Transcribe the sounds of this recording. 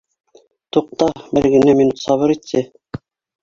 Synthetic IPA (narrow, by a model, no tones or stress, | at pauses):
t̪uq̚t̪ɑbɘɾɡɘ̆næminut̪sɑβɤɾit̪ːɘ